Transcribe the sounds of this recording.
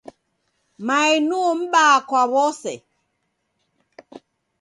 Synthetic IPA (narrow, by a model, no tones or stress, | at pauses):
mainum̩ɓaːkwaβɔsɛ̰